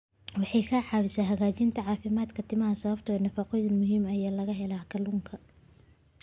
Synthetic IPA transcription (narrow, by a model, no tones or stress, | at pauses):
wɑħɑjkʰɐħɑːβɪsaːɦɐɣaːt͡ʃɪnt̪ʰɐʕɑːfɪmaːd̪kʰɐt̪ʰɪmɐɦɐsɐβɐbt̪ʰɔːnɐfɐqɔjðɐnmʊɦiːmɐjaːlɐɣɐɦɛlaːkʰɐluːŋkʰɐ